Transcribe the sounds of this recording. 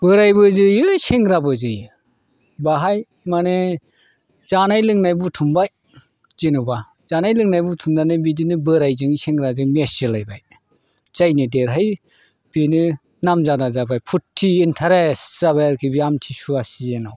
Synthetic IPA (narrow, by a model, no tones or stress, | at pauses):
b̥ɯɾajbɯzɯjɯseŋɡɾabɯzɯj | baɦaj | mane | z̥anajlɯŋnajbutʰumbaj | z̥enuba | z̥anajlɯŋnajbutʰumdanɯbidinɯbɯɾajzɯŋseŋɾazɯŋmesilajba̰j | zajnɯdeɾɦaj | b̥inɯ | namzadazabajpʰutʰːiːntʰaɾesz̥aβajaɾkʰibiamtʰisuasiena̰w